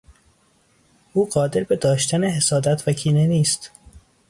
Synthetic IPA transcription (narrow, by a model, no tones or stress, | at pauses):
ʔuːɢɒːd̪e̞ɾbe̞d̪ɒːʃt̪æneɦe̞sɒːd̪æt̪ʰvækʰiːne̞niːst̪